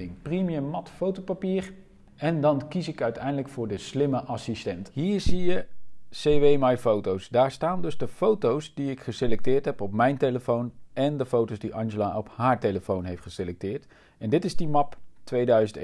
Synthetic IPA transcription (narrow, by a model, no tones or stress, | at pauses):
ɪŋprimiəmɑtfowtowpapiːɹ | ɛndɑnkisɪkœɥtɛjndələkfʊːɹdəslɪməʔɑsistɛntɦiːɹzijəsejʋejmɑjfowtowsdaːɹstaːndɵzdəfowtowsdiɪkχəselɛk̚tɪːɹtɦɛpɔpmɛjnteləfownɛndəfowtowzdiʔɑnʒəlaʔɔpɦaːɹteləfownɦejftχəselɛk̚tɪːɹt | ɛndɪtɪzdimɑptʋejdœɥzənt